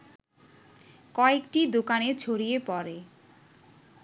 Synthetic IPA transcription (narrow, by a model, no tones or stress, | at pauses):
kɔekʈid̪okanet͡ɕʰoɾijepɔɾe